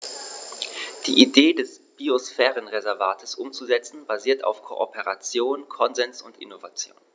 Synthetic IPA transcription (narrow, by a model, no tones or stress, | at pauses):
d̥ḭːʔideːdɛsb̥iosfɛːʁənʁezɛɐvaːtʰəsʔʊmt͡suzɛt͡sn̩baziːɐtʰa̰ʊfkʰo̰ʔo̰pʰəʁat͡sjoːnkʰɔnzɛnsʊntɪ̰novat͡sjo̰ːn